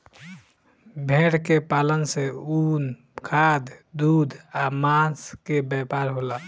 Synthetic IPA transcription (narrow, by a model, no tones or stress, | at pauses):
bʱeɽkepalənseun | kʰad̪d̪ud̪ʱamãskebjɛpaɾɦola